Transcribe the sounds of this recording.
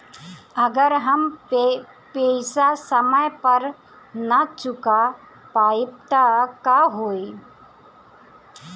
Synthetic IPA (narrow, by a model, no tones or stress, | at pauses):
ɐɡəɾɦɐm | pesasəməjpɐɾ | nat͡ʃʊka | paːɪpt̪akaɦoːi